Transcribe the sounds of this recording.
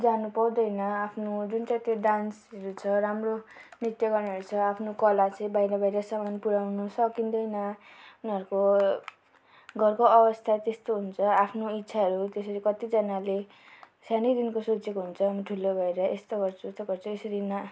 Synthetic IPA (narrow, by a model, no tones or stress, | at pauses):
d͡zanupʌwd̪ʌjnʌapʰnod͡zunt͡sat̪jeɖansʌɾut͡sʰʌɾamronit̪jʌɡʌrniɦʌɾut͡sʰʌapʰnokʌlat͡sʌĩbaiɾʌbʱʌjɾʌsamanpuɽawnʌsʌkind̪ʌjnʌuniʌɾuko | ɡʱʌrkoʌbʌst̪ʰat̪est̪oɦunt͡sʰʌapʰnoit̪ːsʰaɦʌɾut̪esʌɾikʌt̪id͡zʌnale | sanid̪inkosot͡sekoɦunt͡sʰʌɦamiʈʰulobʱʌeɾʌʔest̪oɡʌrt͡sʰuest̪oɡʌrt͡sʰuesʌɾina